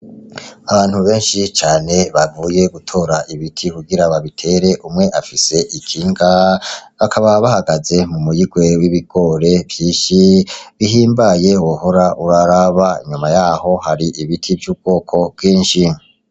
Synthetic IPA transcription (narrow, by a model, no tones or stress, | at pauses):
aβaːn̥huβe̞ːnʃit͡ʃaːne̞βamuje̞ɡutʰo̞ːɾaʔiβitʰikuɡiɾaβaβitʰe̞ɾe̞ʔumŋe̞ʔafise̞ʔikʰiːŋɡaβakʰaβaβahaɡaze̞mumujiɡwe̞wiβiɡ̥o̞ɾe̞vjiːʃiβiɦiːmbaje̞wohoɾaʔuɾaɾaβaḭɲumajaːho̞haɾiʔiβitʰivjuːb̚ɡ̥o̞ːkʰo̞bɡiːnʃi